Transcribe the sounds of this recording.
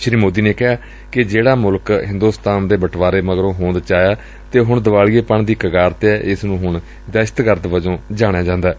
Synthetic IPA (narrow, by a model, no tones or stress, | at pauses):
ʃɾiːmoːd̪iːneːkɪɦaː | kɪd͡ʒeːɽaːmʊlkɦɪ̃nd̪uːst̪aːnd̪eːbəʈʰʋaːɾeːməɡɾõːɦõːnd̪t͡ʃaːjaː | t̪eːɦʊɳd̪əʋaːliːeːpəɳd̪iːkəɡaːɾt̪eɛːʔɪsnũːɦʊɳ | d̪ɛːʃə̥t̪kəɾd̪ʋəd͡ʒõːd͡ʒaːɽ̃aːd͡ʒãːnd̪aː